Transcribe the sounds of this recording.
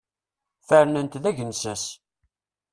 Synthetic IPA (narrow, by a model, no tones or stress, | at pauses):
fəɾnənt̪ðæʝənsæs